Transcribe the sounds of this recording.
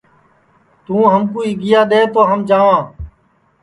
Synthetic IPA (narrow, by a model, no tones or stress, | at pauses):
t̪ũːɦəmkuːiːɡɪjaːɗ̪eːt̪oːɦəmd͡ʒaːʋãː